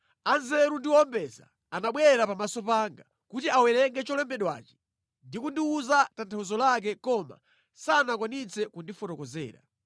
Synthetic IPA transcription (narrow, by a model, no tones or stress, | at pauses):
anzɛɾundiwɔɔmbɛza̰ːnaɓwɛɾapamasɔpaŋɡa | kutiawɛɾɛŋɡɛt͡ʃɔlɛmbɛɗwa̰ːt͡ʃɛ̥ | ndikundiuzatantʰawuzɔlak̬ɛkɔma̰ | sanakwanit͡sɛkundifɔtɔkɔzɛ̰ːɾa̰